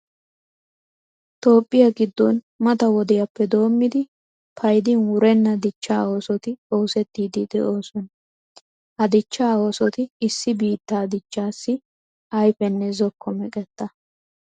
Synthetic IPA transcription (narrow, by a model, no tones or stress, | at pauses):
t̪o̞ːpʼːɪjɐɡɪd̪ːɔn | mɐt̪ɐwɔd̪ɛjɐpːɛd̪o̞ːmːɪd̪ɪ | pʰɐjd̪ɪnwʊɾɛnːɐd̪ɪt͡ʃːaːo̞ːsɔt̪ɪoːsɛt̪ːiːd̪ɪd̪ɛ̰ʔo̞ːsɔn | ɐd̪ɪt͡ʃːaːoːsɔt̪ɪːsːɪbiːt̪ːaːd̪ɪt͡ʃːaːsːɪ | ɐjfɛnːɛzɔkːɔmɛkʼɛt̪ːɐ